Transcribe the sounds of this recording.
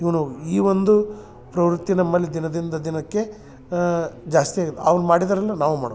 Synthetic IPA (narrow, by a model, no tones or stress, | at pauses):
iʋɐnuiːʋond̪u | pɾɐʋɾut̪ːinɐmːɐlːid̪inɐd̪ind̪ɐd̪inɐkːe̞ | d͡ʒaːst̪ijaːɡid̪ːḛɐʋɐnumaːɽid̪ɐɾɐlːɐnaːʋuma̰ːɽɐ